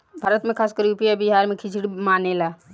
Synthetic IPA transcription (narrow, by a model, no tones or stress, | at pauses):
bʱaːɾət̪mẽkʰaːskəɾupijabiɦaːɾmẽkʰit͡ʃʰiɽmaːnelaː